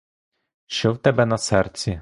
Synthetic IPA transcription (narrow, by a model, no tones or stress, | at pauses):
ʃɔwt̪ɛbɛnɐsɛrt͡sʲi